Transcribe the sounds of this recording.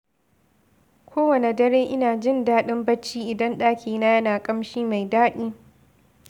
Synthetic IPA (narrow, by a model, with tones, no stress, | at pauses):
kʷʰoː˦wɐ˨ne˨dɐ˦ɽeː˦ʔɪ˦naː˨d͡ʒɪ˦˨ndaː˦ɗɪ˦mbɐ˦t͡ʃːiː˦ʔɪ˨dɐ˦nɗaː˦kʲiː˨naː˦jɐ˦naː˨kʼɐ˦mʃiː˦ma˨jdaː˦ɗiː˦